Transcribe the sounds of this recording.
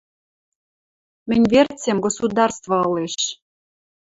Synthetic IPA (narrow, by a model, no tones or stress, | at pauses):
mɘ̆nʲvert͡sʲemɡosud̪ɑrst̪vɤɤ̆leʃ